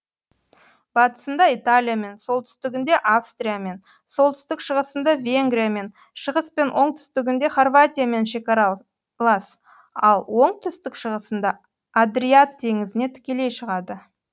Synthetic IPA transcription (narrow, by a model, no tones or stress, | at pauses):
b̥ɑt̪ə̥sənd̪ɑijt̪alʲijame̞nso̞lˠt̪ʰʏst̪ɪɡʲɪnd̪e̞ʔafst̪ɾʲijame̞n | so̞lˠt̪ʰʏ̥st̪ɪkʃəʁəsənd̪ɑvʲe̞ŋɡɾʲijame̞n | ʃəʁəspe̞nwʔo̞ɴt̪ʰʏ̥st̪ɪɡʲɪnd̪e̞χorvat̪ʲijame̞nʃe̞kɑɾɑ | lˠɑs | ɑlˠwo̞ɴt̪ʰʏst̪ɪkʃəʁəsənd̪ɑ | ad̪ɾiat̪ʰːe̞ŋɪzɪne̞t̪ʰɪ̥kʲe̞le̞jʃəʁɑd̪ə